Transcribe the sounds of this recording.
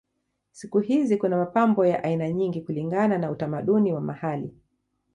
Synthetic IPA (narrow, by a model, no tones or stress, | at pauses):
sikuɦizikunamapambɔjaʔainaɲiŋɡikuliŋɡananautamaɗuniwamahali